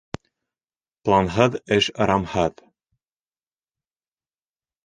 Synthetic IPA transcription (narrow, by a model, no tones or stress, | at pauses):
plˠɑnɦɤðɘʃɾɑmhɤð